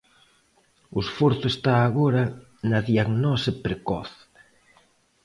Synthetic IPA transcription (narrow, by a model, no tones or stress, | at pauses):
ʊesfoɾθʊest̪aːɣoɾɐ | nɐðiaɣnɔsɪpɾekɔ̰θ